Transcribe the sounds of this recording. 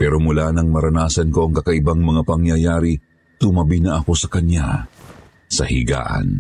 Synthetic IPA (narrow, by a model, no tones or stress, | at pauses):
pɛːɾo̞mulaːnɐŋmɐɾɐnaːsɐnko̞ʔɐŋkɐkɐʔɪbaŋmɐŋapɐŋjɐjaːɾi | t̪ʊmɐbinɐʔɐko̞sɐkɐnja̰ | sɐ̰hḭɡa̰ːʔɐ̰n